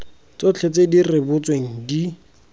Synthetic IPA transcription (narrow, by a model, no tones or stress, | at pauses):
t͡sot͡ɬʰet͡sedirɪbʊt͡sweŋ̩di